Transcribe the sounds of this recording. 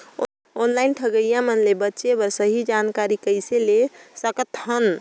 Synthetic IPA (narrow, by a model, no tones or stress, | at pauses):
onlainʈʰəɡəjamənlebətːʃebəɾsəɦid͡ʒankaɾikəjselesəkət̪hən